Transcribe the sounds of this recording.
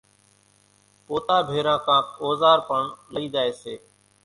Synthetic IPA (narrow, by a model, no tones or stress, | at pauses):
poːt̪aːbʱeːɾãːkãːkoːzaːɾpəɳləiːd̪aːeːseː